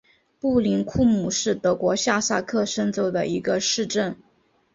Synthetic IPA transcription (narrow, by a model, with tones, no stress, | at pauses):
pu˥˩li˧˥nkʰu˥˧mu˨˩ʂɻ̩˥˩t̪ɤ˧˥kwɔ˧˥ɕja˥˧sa˥˧kʰɤ˥˩ʂə˥nt͡so˧˥ʊd̪ə̰˨i˧˥ɡə˧ʂɻ̩˥˧ʈ͡ʂə˥˩n